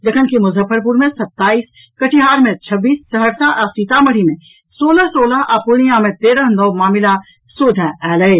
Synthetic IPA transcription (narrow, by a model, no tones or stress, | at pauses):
d̪ɐkʰənkemʊzʱəfəɾp̬ʊɾmẽsɐt̪ːaːiːs | kɐʈʰiɦaːɾmẽt͡ʃʰɐbːiːssɐɦəɾsãʔɐsiːt̪amɐɽ̤imẽ | soːlasoːlaʔapʊɽ̃ijãmẽt̪eːɾə̃ɦnɔːmaːmɪla | soːd̪ʱɛ̃ɛːləe